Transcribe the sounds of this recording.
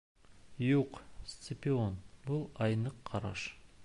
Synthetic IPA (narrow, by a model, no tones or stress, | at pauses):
juqst̪sɪpʲio̞nbʊlˠɑjnəqʰːɑɾɑ̰ʃ